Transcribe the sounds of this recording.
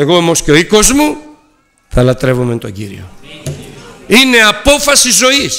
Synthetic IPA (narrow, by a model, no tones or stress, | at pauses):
e̞ɣoomosceoiko̞zmu | θɐlɐt̪ɾe̞vument̪o̰ɟiɾḭo̰ | ine̞apo̞fɐsizo̞is